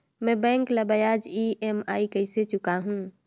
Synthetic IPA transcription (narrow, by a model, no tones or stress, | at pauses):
mɛ̃bɛ̃ːŋkləbəjaːd͡ʒiemaːikəɪset͡ʃʊkaɦũː